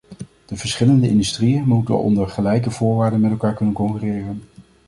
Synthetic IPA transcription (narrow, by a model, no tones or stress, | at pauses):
d̥əvəɹsχɪləndəɪndystrijənmutə̰nʔɔ̰ndəɹχəlɛjkəv̥ʊːɹʋaːɹdənmɛtɛlˠkaːɹkɵnənkɔŋkyːrɪːrən